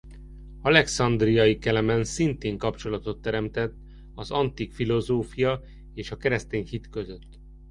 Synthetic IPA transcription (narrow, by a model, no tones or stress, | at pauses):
ɒlɛksɒnd̪rijɒjikɛlɛmɛnsint̪eːŋkɒpt͡ʃo̞lɒt̪o̞t̪ːɛɾɛmt̪ɛt̪ː | ɒzɒnt̪ikfilo̞zoːfijɒ | eːʃɒkɛɾɛst̪eːɲhit̪kø̞zø̞t̪ː